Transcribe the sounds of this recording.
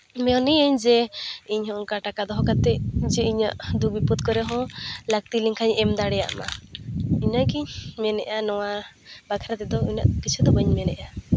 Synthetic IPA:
mɛɔnijəɲd͡ʒɛiɲhɔ̃kaʈakad̪ɔɦɔkat̪ɛʔd͡ʒɛiɲa̰ʔd̪uk̚biput̪̚kɔɾɛɦɔ̃lak̚t̪iliŋkʰaɲɛmd̪aɽɛja̰ʔma | iɲaʔkiɲmɛnɛ̰ʔanɔwa | bakʰaɾat̪ɛd̪ɔiɲa̰ʔkit͡ʃʰud̪ɔbəɲmɛnɛ̰ʔa

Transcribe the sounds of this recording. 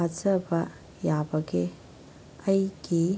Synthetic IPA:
azɐbɐ | jabɐɡe | ɐjɡ̥i

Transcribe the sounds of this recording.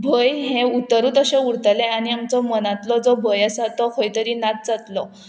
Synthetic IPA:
bʱəjɦẽut̪əɾuːt̪əɕẽuɽt̪lɛaniamt͡sɔmənat̪lɔd͡zɔbʱəjasat̪ɔkʰojt̪əɾinat̪̚t͡sat̪lɔ

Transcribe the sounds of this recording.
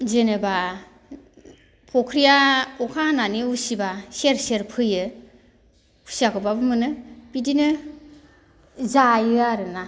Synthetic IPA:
zenɯba | pʰɔkʰɾijaukʰananiusibaseɾseɾpʰɯjɯ | kʰu̥siakʰɯbabɯmɯnɯpidinɯ | zajɯaɾɯna

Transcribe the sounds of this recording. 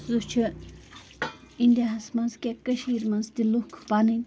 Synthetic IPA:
zut͡ʃʰi | ind̪ʲeɦɐsmɐnzkʲekəʃiːɾmɐnzt̪iluhkʰpanɨn

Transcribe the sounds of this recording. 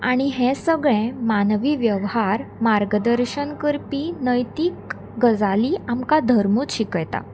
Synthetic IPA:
aɽ̃iɦɛ̃səɡɭɛ̃manʋiːʋjəʋhaɾmaɾɡəd̪əɾɕənkəɾpiːnəjt̪iːk | ɡəd͡zaliːamkad̪ʱəɾmuːt͡sɕikɭt̪a̰

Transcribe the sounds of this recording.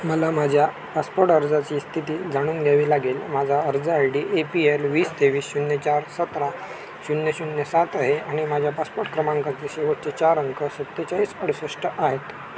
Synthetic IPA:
məlamad͡ʑʱja | paspoɾʈəɾd͡zat͡ɕiːst̪ʰit̪iːd͡zʱaɽ̃uːnɡʱjaʋiːlaɡelmad͡zʱaəɾd͡zəajɽiːʔepielʋiːst̪eʋiːsɕunjət͡ɕaɾsət̪ɾa | ɕunjəɕunjəsat̪aɦeaɽ̃imad͡ʑʱjapaspoɾʈkɾəmaŋkat͡seɕeʋəʈ̚t͡set͡ɕaɾəŋkʰəsət̪ːət͡ɕaiːsəɽ̤səʂʈəʔaɦet̪

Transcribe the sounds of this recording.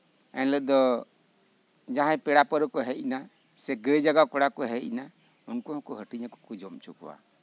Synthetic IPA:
ɛnləd̪ɔ | d͡ʒãɦãpɛɽapəɾɔkɔɦɛʔna | sɛɡəd͡ʒaɡakɔɽakɔɦɛʔna | unkuãkɔɦəʈiɲakɔ̥kud͡ʒɔmt͡ʃukɔ̰wa̰

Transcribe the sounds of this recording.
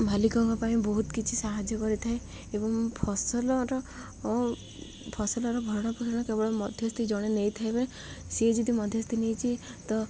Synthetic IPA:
bʱalikɔŋkɔpaĩbɔɦut̪kit͡ʃʰisaɦad͡ʒjɔkɔɾit̪ʰae | ebɔŋpʰɔsɔlɔɾɔ | pʰɔsɔlɔɾɔbʱɔɾɔɽ̃ɔpkʰiɾɽ̃ɔkebɔɽɔmɔd̪ʱjɔst̪ʰid͡ʒɔɽ̃enejt̪ʰaebee | sed͡ʒɔd̪ʱimɔd̪ʱjɔst̪inejt͡ʃʰit̪ɔ

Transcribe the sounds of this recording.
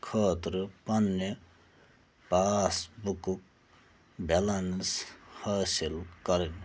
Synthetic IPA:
kʰʌːt̪ɾupʌnːe | pasbukuk̚ | belanshasilkʌɾin

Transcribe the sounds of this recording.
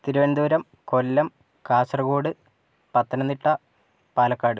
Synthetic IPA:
t̪iɾuʋɐnd̪uːɾɐm | ko̞lːɐm | kaːsɐrɐɣoːɽɨ | pɐt̪ːɐnɐnːiʈːɐ | paːlɐkːaːɽɨ

